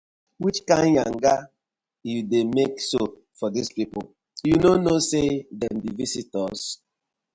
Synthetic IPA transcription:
wit͡ʃkãɪ̃njãŋ̩ɡa | judemekso | fɔdispipɔl | junonosedɛ̃mdivisitɔs

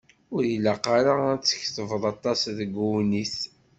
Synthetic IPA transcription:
ʊɾjilaqaɾaæt͡sːə̥çθəvəðˤɑt̪ˤːɑsðəɡuwniθ

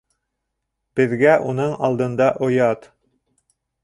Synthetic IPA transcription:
b̥ɘ̆ðɡæʔunɤɴɑlˠd̪ɤ̆nd̪ɑʔŏjɑt̪

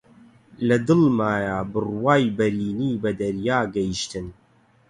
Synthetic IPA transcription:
lɐd̪ɨlmaːjaːbɨrwaːjbɐɾiːniːbɐd̪ɐɾjaːɡɐjiʃt̪ɨn

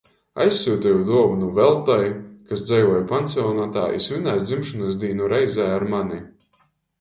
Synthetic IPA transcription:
a̰jsʲːuːt̪ʲɛjud̪uɔvunuvɛlˠt̪ajkasd̪zɛjvɔjpant̪siɔnat̪aːʔḭsvʲinajsd̪zimʃɔnɨs̬d̪iːnuɾɛjzaːjaɾmani

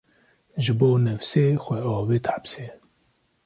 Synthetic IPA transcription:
ʒɨboːnɛvseːxʷɛɑːveːt̪ħapse

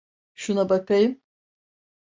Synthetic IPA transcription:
ʃunabat̪ejm

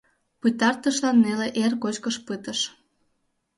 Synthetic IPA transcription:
pɨt̪ɑrt̪əʃlɑnːeleʔerkot͡ɕkəʃpɨt̪əʃ

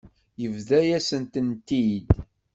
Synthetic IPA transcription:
jəvðæjæsənt̪ənt̪id̪

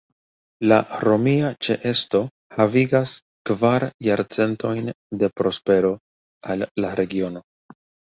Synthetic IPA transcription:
la̰ɾo̞miat͡ʃe̞ʔe̞sto̞ | haviɡas | kvaɾjaɾt͡se̞nto̞jn | de̞pɾo̞spe̞ɾo̞ | alːaɾe̞ɡio̞no̞

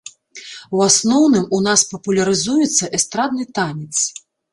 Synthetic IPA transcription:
wasnɔwnɨmunaspɐpulʲɐɾɨzujɛt̪sːɐʔɛst̪ɾad̪̚nɨt̪anʲɛt̪s

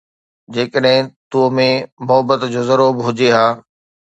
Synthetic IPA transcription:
d͡ʑeːkəɗɦɪ̃t̪umẽmʊɦbət̪d͡ʑoːzɐɾuːbɦʊd͡ʑeɦaː

